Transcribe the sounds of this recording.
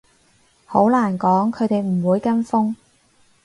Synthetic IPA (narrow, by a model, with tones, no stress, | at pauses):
ho˨˥wlaː˨˩nkɔː˨˥ŋkʰɵ˨˧ɥt̪e˨jm̩˨˩wuː˨˧jkɐ˥nfʊ˥ŋ